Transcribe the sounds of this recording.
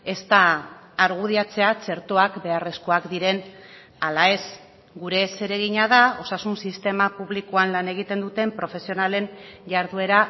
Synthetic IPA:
e̞st̪aː | ɾɣ̞uð̞iat͡se̞at͡se̞ɾt̪oakbe̞are̞sko̞akd̪iɾe̞n | alae̞s | ɡuɾe̞se̞ɾe̞ɣiɲaðao̞sasunsist̪e̞mapuβlikoanlane̞ɣ̞it̪e̞nd̪ut̪e̞mpɾo̞fe̞sio̞nale̞nʝaɾðue̞ɾa

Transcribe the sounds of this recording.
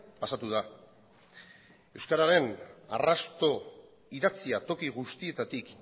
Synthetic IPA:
pasat̪uð̞a | e̞wskaɾaɾe̞na̰rast̪o̞ | iðat͡siat̪o̞kiɣust̪ie̞t̪at̪ik

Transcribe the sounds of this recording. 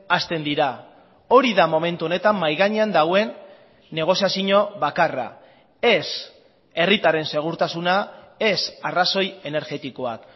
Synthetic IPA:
ast̪e̞nd̪iɾa | o̞ɾiðamo̞me̞nt̪uo̞ne̞t̪amːajɣaɲeand̪awe̞nː | e̞ɣ̞o̞siasiɲo̞βakara̰ | e̞s | e̞rit̪aɾe̞nse̞ɣ̞uɾt̪asuna | e̞saraso̞je̞ne̞ɾɣe̞t̪iko̞a̰k

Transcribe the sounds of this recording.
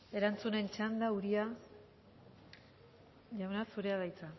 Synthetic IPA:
e̞ɾant͡sune̞nt͡ʃand̪auɾia | ʝawnasuɾe̞að̞ajt͡sa

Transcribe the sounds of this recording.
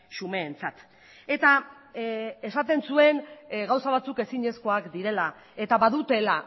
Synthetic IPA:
sume̞ːnt͡sat̪ | e̞t̪a | esat̪e̞nsue̞nɣawsaβ̞at͡suke̞siɲe̞sko̞akd̪iɾe̞la | e̞t̪aβaðut̪e̞la

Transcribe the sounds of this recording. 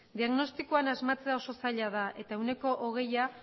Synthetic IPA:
d̪iaɣno̞st̪ikoanazmat͡se̞ao̞so̞saʎaðaʔe̞t̪aewne̞ko̞ʔoɣ̞e̞ja

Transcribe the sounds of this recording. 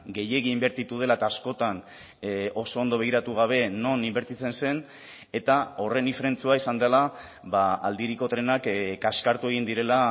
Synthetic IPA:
ɡe̞je̞ɣiːmbe̞ɾt̪it̪uðe̞laet̪aːsko̞t̪an | o̞so̞ːnd̪o̞βe̞ɣ̞iɾat̪uɣ̞aβ̞e̞no̞nimbeɾt̪it͡se̞nse̞n | e̞t̪ao̞re̞nifeɾe̞nt͡suaisand̪ela | βaa̰ld̪iɾiko̞t̪ɾe̞nakkaskaɾt̪ue̞ɣ̞ind̪iɾe̞la

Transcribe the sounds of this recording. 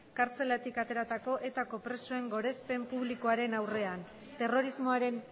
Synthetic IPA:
kaɾt͡se̞lat̪ikat̪e̞ɾat̪ako̞ʔe̞t̪ako̞pɾe̞soe̞ŋɡo̞ɾe̞spe̞mpuβlikoaɾe̞nawre̞an | t̪e̞ro̞ɾizmo̞aɾe̞n

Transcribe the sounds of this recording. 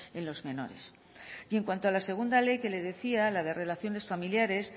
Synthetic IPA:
e̞nlo̞zmẽ̞no̞̰ɾe̞̰s | jeŋkwant̪oalase̞ɣ̞und̪ale̞jke̞le̞ðe̞θialaðe̞re̞laθjo̞ne̞sfamiljaɾe̞s

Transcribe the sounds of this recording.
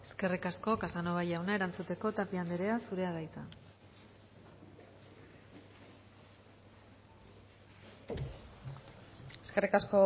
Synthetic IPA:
e̞ske̞rikasko̞kasano̞βajawnae̞ɾant͡sut̪e̞ko̞t̪apiand̪eɾeasuɾe̞aðajt͡sa | eskerikasko

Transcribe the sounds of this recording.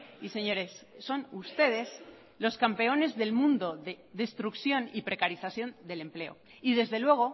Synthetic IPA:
ise̞ɲo̞ɾe̞sːo̞nust̪e̞ð̞e̞s | lo̞skampe̞o̞ne̞zðe̞lmũnd̪o̞ðe | ðe̞st̪ɾukθjo̞nipɾe̞kaɾiθaθjo̞nd̪e̞le̞mple̞o̞̰ | iðe̞zðe̞lwe̞ɣ̞o̞

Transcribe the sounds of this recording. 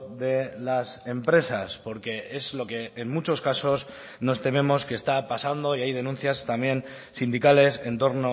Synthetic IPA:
ðe̞lase̞mpɾe̞saspo̞ɾke̞e̞zlo̞ke̞ːnmut͡ʃo̞skaso̞s | no̞st̪e̞me̞mo̞skest̪apasand̪o̞iajð̞e̞nũn̟θjast̪amje̞n | sind̪ikale̞se̞nt̪o̞ɾno̞

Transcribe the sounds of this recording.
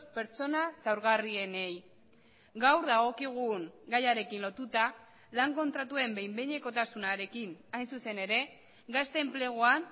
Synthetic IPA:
spe̞ɾt͡so̞nasawɾɣarie̞ne̞j | ɡawɾðaɣ̞o̞kiɣ̞uŋɡajaɾe̞kinlo̞t̪ut̪a | laŋko̞nt̪ɾat̪ue̞mbejmbeɲe̞ko̞t̪asunaɾe̞kinajnsuse̞ne̞ɾe̞ | ɡast̪e̞ːmple̞ɣ̞oan

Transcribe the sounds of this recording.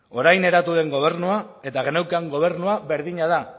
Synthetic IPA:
o̞ɾajne̞ɾat̪uð̞e̞ŋɡo̞β̞e̞ɾnuae̞t̪aɣenewkaŋɡo̞β̞e̞ɾnuaβe̞ɾðiɲað̞a

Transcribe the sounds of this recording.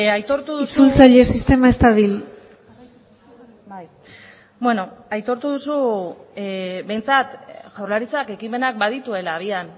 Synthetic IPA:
ajt̪o̞ɾt̪uðust͡sult͡saʎe̞sist̪e̞maest̪aβil | bweno̞ajt̪o̞ɾt̪uð̞usu | be̞jnt͡sat̪ʝawrlaɾit͡sake̞kime̞nak̚baðit̪ue̞laːβian

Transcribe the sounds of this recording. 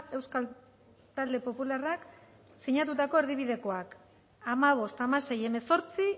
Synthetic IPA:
e̞wskal | t̪ald̪e̞po̞pularak | siɲat̪̬ut̪ako̞eɾðiβ̞iðe̞ko̞ak | amaβ̞o̞st̪amase̞je̞me̞so̞ɾt͡si

